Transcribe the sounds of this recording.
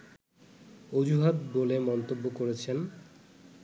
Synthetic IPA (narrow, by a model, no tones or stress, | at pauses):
od͡ʑuɦat̪bolemɔnt̪obːokoɾet͡ɕʰen